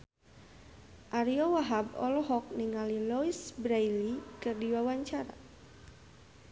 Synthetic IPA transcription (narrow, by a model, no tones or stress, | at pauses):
ʔaɾiɔwaɦabɔ̰lɦɔk̚niŋalilɔisbɾajlikɨrdiwawaɲt͡ʃaɾa̰